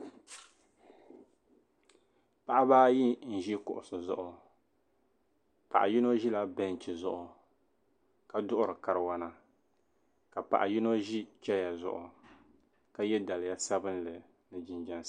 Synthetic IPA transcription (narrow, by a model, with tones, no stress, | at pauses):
pa˦ʔa˦baː˦ji˦n̩˨ʒi˦kʊ̰˨ʔʊ˨sɨ˨zʊ˨ʔʊ˨ | pa̰˨ʔa˨ji˦no˦ʒi˦la˦bɛ˦n˨t͡ʃi˨zʊ˦˨ʔʊ˨ | ka˦dʊ˦ʔʊ˦ɾɨ˨ka˨ɾɨ˨wa˦na˦ | ka˨pa̰˨ʔa˨ji˦no˦ʒi˦t͡ʃɛ˦ja˨zʊ̰˨ʔʊ̰˨ | ka˦jɛ˦da˨lɪ˨ja˦sa˦bɨ˦n˦lɨ˨ | nɨ˨d͡ʒɪ˨nd͡ʒɛ˦n